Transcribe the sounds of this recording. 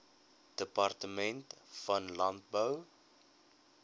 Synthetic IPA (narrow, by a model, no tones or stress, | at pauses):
d̥əpɐrtəmɛntfɐnlɐnt̚bəw